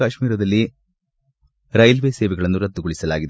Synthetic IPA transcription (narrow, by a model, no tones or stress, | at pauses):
aːʂmiːɾɐd̪ɐlːi | ɾɐjlʋeːseːʋɛɡɐɭɐnːuɾɐd̪ːuɡoɭisɐla̰ːɡid̪